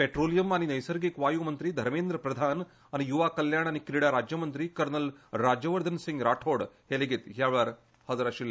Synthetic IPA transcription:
peʈɾoːlijɐmaːñinɐjsəɾɡekʋaːjumɐnt̪ɾid̪ʱɐɾmeːnd̪ɾəpɾɐd̪ʱaːn | añijuʋakɐljaːɳ̃aːnikɾiɽaɾad͡ʒjɐmɐnt̪ɾikɐɾnɐlɾaːd͡ʒəʋɐɾd̪ʱənsiŋɡɾaːʈʰoːɽheleɡit̪ɦjaʋɭaːɾ | hɐzɾaʃilːe

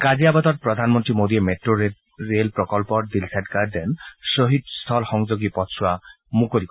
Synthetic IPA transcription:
ɡad͡ʒiabad̪ɔɾpɾɔd̪ʱanmɔnt̪ɾimod̪iemeʈɾoɾe | ɾelpɾɔkɔlpɔd̪ilsaʈɡaɾd̪ensoɦid̪̚st̪ʰɔlxɔŋd͡ʒoɡipɔsʰua | mukoɾik

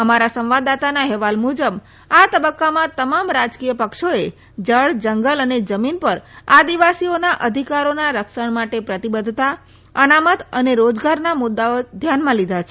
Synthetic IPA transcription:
əmaɾasə̃mʋad̪at̪anaɦɛʋalmud͡ʒəb | at̪əbəkːamãt̪əmamɾad͡ʒkijəpəkʃoe | d͡ʒəɭd͡ʒəŋɡələned͡ʒəminpəɾad̪iʋasionaʔəd̪ʱikaɾonaɾəkʃəɳmaʈepɾət̪ibəd̪ʱt̪a | ənamət̪əneɾod͡ʒɡaɾnamʊd̪ːaod̪ʱjanmãlid̪ʱat͡ʃʰe

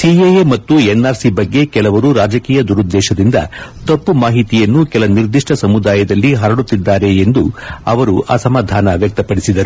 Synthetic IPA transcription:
siejemɐt̪ːuenːaːɾsibɐɡːe̞kɛlɐʋɐɾuɾaːd͡ʒɐkiːjɐd̪uɾud̪ːɛːʃɐd̪ind̪ɐ̰t̪opːumaːɦit̪ijɐnːukɛlɐniɾd̪iʂʈɐsɐmud̪aːjɐd̪ɐlːiɦɐɾɐɽut̪ːid̪ːaːɾe̞ːnd̪uɐʋɐɾuɐsɐmaːd̪ʱaːnɐʋjɐk̚t̪ɐpɐɽisid̪ɐɾu

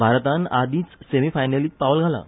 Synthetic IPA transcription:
bʱaɾt̪anad̪ĩːt͡ssemifajnəliːpaʋəlɡʱala̰

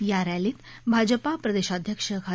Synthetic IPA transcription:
jaɾaliːt̪bʱad͡ʑəpapɾəd̪eʃad̪ʱjəkʂəkʰa

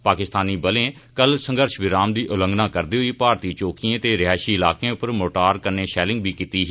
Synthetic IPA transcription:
paːkɪst̪aːniːbəlẽː | kəlsə̃ŋɡəɾʃʋɪɾaːmd̪iːʔʊlə̃ŋɡnaːkəɾd̪iːɦʊiːpaːɾt̪iːt͡ʃoːkiẽːt̪eːɾɪaːʃiːɪlaːkẽːʊpəɾmoːʈaːɾkəɾnẽːʃɛːlɪ̃ŋɡ̚biːkit̪iːɦ

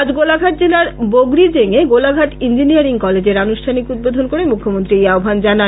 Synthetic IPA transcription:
ad͡ʑɡolaɡʱaʈ̚d͡ʑelaɾboɡɾid͡ʑeŋeɡolaɡʱaʈind͡ʑinijaɾiŋkɔled͡ʑeɾanuʃʈʰanikud̪̚bod̪ʱonkoɾemukʰːomont̪ɾiejaobʱand͡ʑana

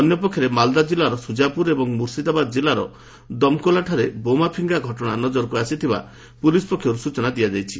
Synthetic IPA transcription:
ɔnjɔpɔkʰjɔɾemald̪ad͡ʒilaɾɔsud͡ʒapuɾebɔŋmuɾsid̪abad̪ɔd͡ʒilaɾɔ̰ | d̪ɔmkolaʈʰaɾebomapʰiŋɡaɡʱɔʈɔɽ̃anɔd͡ʒɔɾɔkuasit̪ʰiba̰ | pulisɔ̥pɔkʰːjɔɾusut͡ʃɔnad̪ijad͡ʒajt͡ʃʰi̥

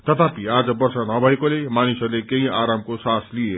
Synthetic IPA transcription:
t̪ʌt̪ʰapiad͡zʌbʌrsanʌbʱʌekolemanisʌrlekeɦĩaɾamkosaslie

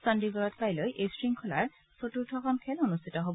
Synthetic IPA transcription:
sandiɡɔɹɔtʰpajlojʔestɹiŋkʰɔla̰ɹ | sotuɹtʰɔkʰɔmkʰɛlɔnustitɔɦob

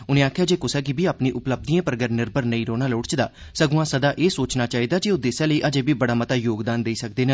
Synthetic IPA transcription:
ʊnẽːaːkʰːjaːd͡ʒeːkʊsɛːkibiːaːpnĩːʔʊpləb̚d̪iːãːpəɾɡəɾnɪɾbəɾnəĩːɾoːnaːloːɽt͡ʃd̪a̰ː | səɡʊ̃ãːsəd̪aːʔeːsoːt͡ʃnaːt͡ʃaːiːd̪aːd͡ʒioːd̪eːsãːləiːʔəd͡ʒeːbiːbəɽaːmət̪aːjoːɡd̪aːnd̪eiːsək̚d̪eːna

